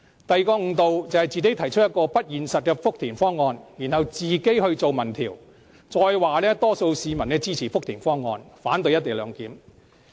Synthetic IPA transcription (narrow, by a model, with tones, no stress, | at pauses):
t̪ɐ˨jkɔː˧ŋ̩˧t̪o˨wt͡sɐ˨whɐ˨jt͡siː˨˧t̪e˨˥t̪ʰɐ˨˩jt͡ʃʰɵ˥t̚jɐ˥t̚kɔː˧pɐ˥t̚jiː˨nsɐ˨t̚kɛː˧fʊ˥k̚t̪ʰiː˨˩nfɔː˥ŋːɔː˧njiː˨˩nhɐ˨wt͡siː˨ke˥jhɵ˧ɥt͡so˨wmɐ˨˩nt̪ʰḭː˨˩w | t͡sɔː˧jwaː˨lɛː˥t̪ɔː˥so˧wsiː˨˧mɐ˨˩nːɛː˧t͡siː˥t͡sʰiː˨˩fʊ˥k̚t̪ʰiː˨˩nfɔː˥ŋːɔː˧nfaː˨˥nt̪ɵ˧jɐ˥t̪e˨˩lœː˨˧ŋkiː˨˥m